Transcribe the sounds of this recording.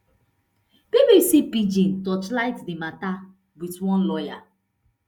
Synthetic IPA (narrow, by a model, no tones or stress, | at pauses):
b̥ebisipid͡ʒĩntɔt͡ʃlaɪtdimata | witwɔ̃nlɔja